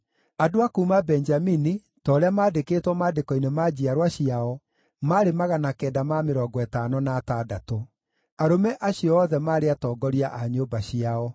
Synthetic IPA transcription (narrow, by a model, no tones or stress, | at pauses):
adoakuːmabɛɲd͡ʒamini | tɔːɾeamaːdekeːtwɔmaːdekɔinemaːd͡ʑiaɾwaɕiaɔ | maːɾemaɣanakɛːdamameɾɔɡɔɛtaːnɔnaːtadato | aɾomɛʔaɕiɔɔːðɛmaːɾeatɔːɡɔɾiaʔaɲoːbaɕiaɔ